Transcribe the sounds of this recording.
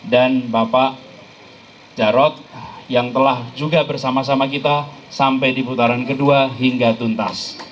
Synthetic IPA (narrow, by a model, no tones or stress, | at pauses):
danbapaʔ | d͡ʒaɾɔt̪̚jaŋt̪əlahd͡ʒuɡabərsamas̬amakit̪asampajdiput̪aɾankəduaɦiŋɡat̪unt̪as